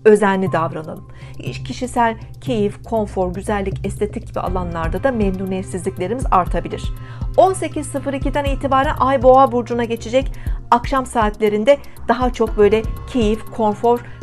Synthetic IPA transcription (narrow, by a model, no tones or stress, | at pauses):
ø̞zænːʲid̪avɾana̰lˠɯm | iʃcʰiʃisælʲ | cʰe̞jifkʰo̞nfo̞ɾɟyzælʲːicʰɛst̪ʰe̞t̪ʰic̚ɟibḭa̰lˠanlˠaɾd̪ad̪amend̪unesizlʲiclʲe̞ɾimizaɾt̪ʰabilʲiɾ̝̥ | o̞nse̞cizsɯfɯɾicid̪æniːt̪ʰibaːɾænʔajbo̞abuɾd͡ʒunaɟe̞t͡ʃʰed͡ʒɛcakʃamsaːt̪lʲe̞ɾind̪ɛ | d̪̥aɦat͡ʃʰo̞k̚bø̞jlʲɛcʰe̞jifkʰo̞nfo̞ɾ̥